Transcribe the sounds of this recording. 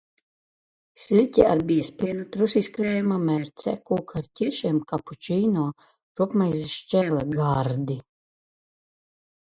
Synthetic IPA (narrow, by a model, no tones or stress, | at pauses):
sʲilʲtʲia̰ɾbiɛspʲiɛnut̪ɾusiskɾɛːjamamɛːɾt̪sɛ̰kuːkʰaɾcʲiɾʃiɛmkaput͡ʃiːnɔː | ɾupmajzʃt͡ʃʲɛːlaɡaɾd̪i